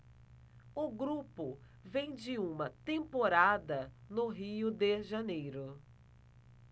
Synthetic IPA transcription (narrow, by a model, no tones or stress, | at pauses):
ʊɡɾupʊ | vẽj̃d͡ʒɪũmɐt̪ẽmpoɾad̪ɐnʊɦiʊd̪ɪʒɐnejɾʊ